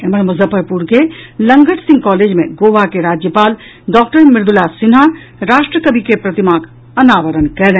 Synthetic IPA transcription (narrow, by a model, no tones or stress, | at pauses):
eməɾmɐzəpəɾpuɾkelə̃ŋɡəʈsɪ̃ŋɡkɔːleːd͡ʒmḛ̃ɡoːʋakeɾaːd͡ʒjəpaːl | ɖɔːk̚ʈəɾmɪɾd̪ʊlasɪnɦa | ɾaːʃʈɾəkəbʱikepɾɐt̪ɪmaːk | ɐnaːʋəɾənkɛlɛ̃